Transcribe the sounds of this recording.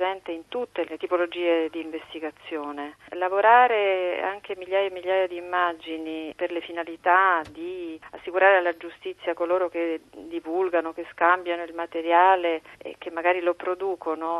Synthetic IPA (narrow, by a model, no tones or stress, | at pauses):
zɛnt̪eint̪ut̪ːelet̪ipolod͡ʒiːed̪iːɱvest̪iɡat̪sːjoːnelavoɾaːɾea̰ŋk̟emiljaːjaemiljaːjad̪iːmːad͡ʒiniperlefinalit̪ad̪iasːikuɾaːɾealːad͡ʒust̪it̪sːjakoloːɾoked̪ivulɡanok̟eskambjanoilmat̪eɾjaːleḛk̟ːemːaɡaːɾilopɾod̪uːkono